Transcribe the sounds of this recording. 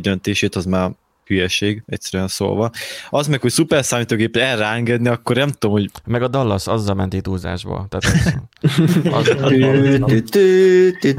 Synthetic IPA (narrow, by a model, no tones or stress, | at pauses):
d̪ønt̪eːʃeːt̪ɒzmaːr | hyjɛʃeːɡɛ̰cʲsɛɾyɛnso̰ːlvɒɒzmɛkhocsupɛrsaːmit̪oːɡeːpɛɛrːɛɛŋɡɛd̪niɒkːornɛmt̪u̥d̪omho̞ɟmɛɡɒd̪ɒlːɒsɒzːɒlmɛnt̪it̪uːza̰ːʒbɒ̰t̪aːt̪ | ɒz | t̪ːt̪